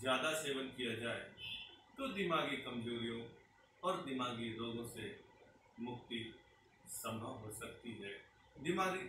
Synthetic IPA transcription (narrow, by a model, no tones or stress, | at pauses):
zjaːd̪aseːʋənkɪjad͡ʒaːet̪oːd̪ɪmaːɡikəmd͡ʒoːɾijõ | ɔːɾd̪ɪmaːɡiloːɡõse | mʊkt̪i | səmaɦoːsəkt̪iɦɛː | d̪ɪmaːɡi